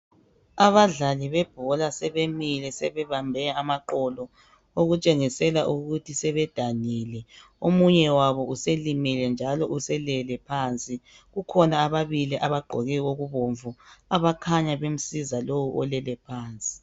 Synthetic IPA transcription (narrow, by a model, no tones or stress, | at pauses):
aβaɮaliβɛb̥ʱɔlasɛβemilɛsɛβɛβambʱɛamaǃɔlɔ | oɣut͡ʃʼeŋisɛlaʔuɣutʰisɛβɛd̥ʱaniːlɛ | omuɲɛwaβɔuselimilɛnd͡ʒʱalɔʔusɛlɛlɛpʰaːnt͡sʼi | ɣukʰɔnaːβaβiliʔaβaɡ͡ǃʱɔɣɛɣoɣuβoɱvuaβakʰaɲaβem̩sizalowuʔɔlɛlɛpʰaːnt͡sʼi̥